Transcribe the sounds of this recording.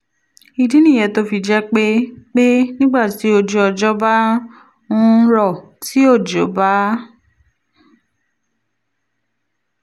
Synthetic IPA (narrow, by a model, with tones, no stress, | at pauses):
i˧dĩ˦nĩ˦˨ɛ˨˧˨to˦fi˧d͡ʒɛ˦k͡pe˦k͡pe˦nĩ˦ɡ͡ba˦˨ti˨˦o˧d͡ʒu˦ɔ˧d͡ʒɔ˦ba˦ | ũ˦ɾɔ˦˨ | ti˨˦o˦˨d͡ʒo˨˦ba˦